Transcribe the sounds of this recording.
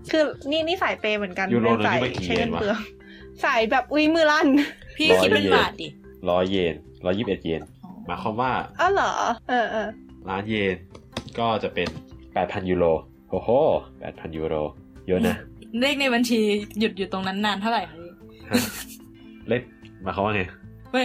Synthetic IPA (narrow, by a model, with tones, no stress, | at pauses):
kʰɯː˧niː˥˩niː˦˥˩saː˨˩˦jpeː˧mɯ˨˩˦ə˦nka˧njuː˧ɾoː˧na˧a˨˩˦ma˧˩kiː˧eeː˧˩nwa˦˥˧ɐ˧ | sa˨˩˦jbɛː˨˩p̚ʔu˧mɯː˧˥˩la˥˩npʰiː˧˥˩kɔː˦i˦je˥˧baː˨˩t̪̚di˨˩ | lɔː˦˥jːeː˧n | lɔː˦˥jːiː˥˩p̚ʔe˨˩t̪̚jeː˧nɔ˧˦maː˨˦jkʰwaː˧˥mwaː˥˩ʔɔː˧˩lɔː˩˦ʔɤː˧ʔɤː˧ | laː˦˥njeː˧n | kɔː˥˩t͡ɕa˨˩pe˧npɛː˨˩t̪̚pʰa˧njuː˧ɾoː˧ | hoː˧˩hoː˧˩pɛ̰ː˨˩t̪̚pʰa˧njuː˧ɾoː˧ | jo˦˥ʔn˧a˦˥˦leː˥˩k̚na˧jba˧nt͡ɕʰiː˧ju˨˩t̪̚juː˨˩t̪o˧ŋna˦˥nːaː˧nt̪ʰa˥˩wɾa˨˩ja˧˩j | ha˧˩ | le˥˩p̚maː˧˦kʰa˧˩˦waː˥˩ŋa˧j